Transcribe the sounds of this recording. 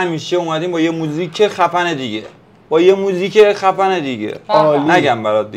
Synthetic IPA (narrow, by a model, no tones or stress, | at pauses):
hæmiːʃeomæd̪iːmbɒːjemuziːkʰexæfæned̪iɟḛ | b̥ɒːjemuziːcʰexæfæne̞d̪iɟḛnæɡæmbæɾɒːt̪̚d̪i